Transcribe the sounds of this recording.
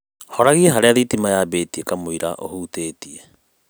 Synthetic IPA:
hɔɾaɣiɛɦaɾeaðitimajabeːtiekamoiɾa̰ʔo̰huteːtie

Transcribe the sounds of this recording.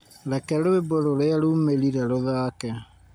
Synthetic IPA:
ɾɛkɛɾoeboɾoɾeaɾumeɾiɾɛɾoðaːkɛ

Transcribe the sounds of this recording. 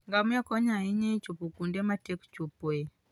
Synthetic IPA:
ŋɡamuakɔɲaiɲɛt͡ʃupukundɛmatɛku̥t͡ʃupwɛ

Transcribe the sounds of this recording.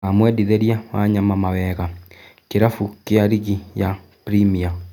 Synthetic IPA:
amwɛdiðeɾjawaɲamamawɛɣakeɾafukeaɾiɣija | pɾimia

